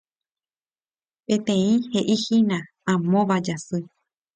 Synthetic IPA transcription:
pẽ̞t̪ẽ̞ĩhe̞ʔihinã | ãmõʋad͡ʒasɨ

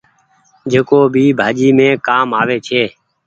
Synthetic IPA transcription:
d͡ʒeːkoːbʱiːbʱaːd͡ʒiːmẽːkaːmaːʋeːt͡ʃʰeː

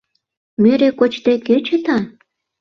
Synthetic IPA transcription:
meɾekot͡ɕt̪eket͡ɕə̆t̪ɑ

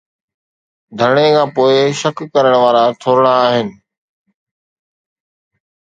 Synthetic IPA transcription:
d̪ʱəɾɽ̃ekʰãːpoːɪʃəkːəɾəɽ̃ʋaːɾat̪ʰoːɾəɽ̃aːɦɪnɪ̆

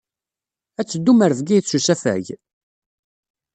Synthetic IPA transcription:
æt͡sːəd̪ːuməɾəvɡiθsusæfæ̰ʝ

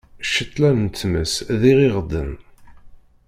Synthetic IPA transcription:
ʃət̪ˤːlænnt͡s̪ːməsðiʁiʁd̪əm

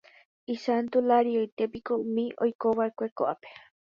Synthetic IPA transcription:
isant̪ulaɾiat̪epikoumĩʔojkoβaekʷekoʔape̥

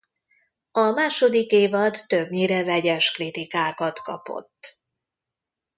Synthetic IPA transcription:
ɒmaːʃo̞d̪ikeːvɒd̪ːøbɲiɾɛvɛɟɛʃkrit̪ikaːkɒt̪kɒ̰po̞̰t̪ː

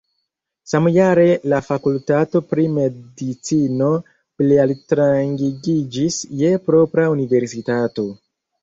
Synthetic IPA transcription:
samjaɾe̞lafakultato̞pɾime̞dit͡sino̞ | plealtɾaŋɡiɡid͡ʒisje̞pɾo̞pɾaunive̞ɾsitato̞

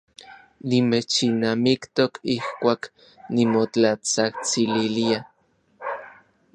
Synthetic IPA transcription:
nimet͡ʃinamikt̪okʰihkʷaːk | nimot͡ɬat͡saht͡sililia

